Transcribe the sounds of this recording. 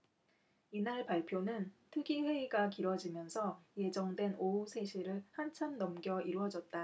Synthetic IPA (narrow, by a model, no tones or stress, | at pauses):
inaɭpaɭpʰjonɯntʰɯɡiɸwe̞iɡakiɾwʌd͡ʑimjʌnsʰʌje̞d͡ʑʌŋdwe̞nousʰe̞ɕʰiɾɯɭhant͡ɕʰamnːʌmɡjʌiɾwʌd͡ʑʌt̚t͈a